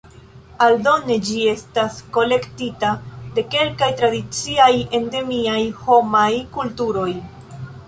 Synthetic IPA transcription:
aldo̞ne̞d͡ʒie̞stasko̞le̞ktitade̞ke̞lkajtɾadit͡siaje̞nde̞miajho̞majkultuɾo̞j

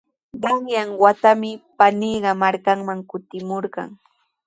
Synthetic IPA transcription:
ɢɑŋjaŋwat̪amɪpaniːɢɑmaɾkaŋmaŋkʊt̪ɪmoɾɢɑ̰ŋ

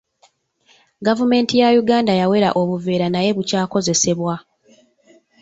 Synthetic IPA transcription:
ɡavume̞ːntijajuɡaːndajawe̞ɾaʔo̞βuve̞ːɾanaje̞βucaːko̞ze̞se̞βwa

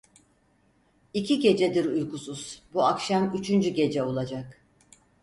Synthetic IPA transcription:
icʰiɟe̞d͡ʒɛd̪iɾujkusuz̥buakʃamyt͡ʃʰynd͡ʒyɟe̞d͡ʒɛo̞lˠad͡ʒak

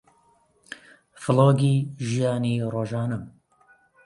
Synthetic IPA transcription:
fɨlˠoːɡiʒijaːniːroːʒɑːnɨm

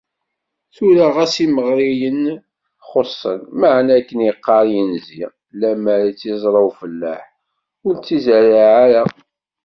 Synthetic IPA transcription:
θulaʁæsiməʁɾijən | χosˤːənmaʕnækːənjəqːɑɾˤjənzi | læmæɾit͡sːizˤɾˤɑwfəlːaħ | ʊɾt͡sːizaɾaʕaɾa

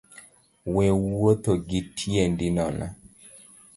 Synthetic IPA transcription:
wɛwot̪oɡitʰjendinɔna̰

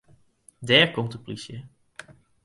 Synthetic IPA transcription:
dɛːɹkɔmtəplisjə

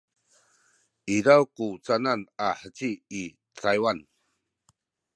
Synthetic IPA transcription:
iɾawkut͡sananaħət͡ɕiː | t͡sʰajwan

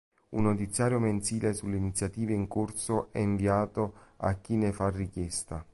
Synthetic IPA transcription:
ṵnːot̪it̪sːjaːɾjoment̪siːlesulːeinit̪sjat̪iːveiŋkorsoʔɛiɱviaːt̪oa̰k̟ːinefarːikjɛst̪a

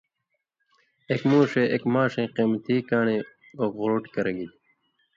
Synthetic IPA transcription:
ekmũːʂeʔekmaːʂẽːqiːmt̪iːkaːɳeː | oɣoɾoːʈkɐɾɐɡi

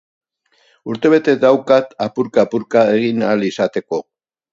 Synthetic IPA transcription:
uɾt̪e̞β̞e̞t̪e̞d̪awkat̪apuɾkaːpuɾkaeɣinalisat̪e̞ko̞

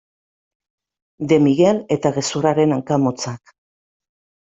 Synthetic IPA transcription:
d̪e̞miɣe̞le̞t̪aɣe̞suɾaɾe̞naŋkamot͡sak

